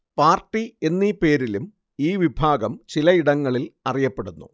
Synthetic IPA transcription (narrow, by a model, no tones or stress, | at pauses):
paːrʈːie̞nːipe̞ːɾilum | iːʋibʱaːɡɐmt͡ɕilɐiɽɐŋːɐɭilɐrijɐpːeɽunːṵ